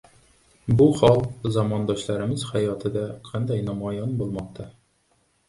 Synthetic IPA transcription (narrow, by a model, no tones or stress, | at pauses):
buχɒlˠzɒmɒnd̪ɒɕlˠɑɾɘ̆mɤzχæjɒt̪ɤd̪æqʰɑnd̪ɑjnɒmɑjɑnbulˠmɑq̚t̪ɑ